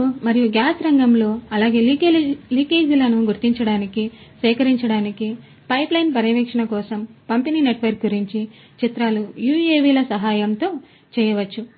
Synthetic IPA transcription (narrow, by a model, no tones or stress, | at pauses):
mɐɾijuɡjaːsɾɐŋɡɐmlo̞ːɐlaːɡe̞ːliːkeːd͡ʒulɐnuɡuɾt̪iɲt͡ʃɐɽaːnikisʋɛːkɐɾiɲt͡ʃɐɽaːniki | pɐjplɐjnpɐɾiʋɛːkʂɐɳɐkɔːsɐmpɐmpiniːneʈʋɐɾk̚ɡuɾiɲt͡ʃi | t͡ʃit̪ɾaːlujuːeːʋiːlɐsɐɦaːjɐmt̪o̞ː | t͡ʃɛːjɐʋɐt͡ʃːu